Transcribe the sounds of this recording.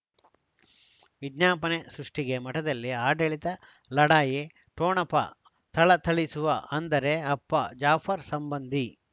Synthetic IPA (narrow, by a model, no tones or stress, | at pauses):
ʋid̪ɲaːpɐnesɾuʂʈiɡe̞mɐʈɐd̪ɐlːiaːɖɐɭit̪ɐ | lɐɽaːje | ʈoːnɐpːɐ̰ | t̪ʰɐɭɐt̪ʰɐɭisuʋɐʔɐnd̪ɐɾe̞ɐpːɐ̰d͡ʒaːpʰɐɾsɐmbɐnd̪ʱi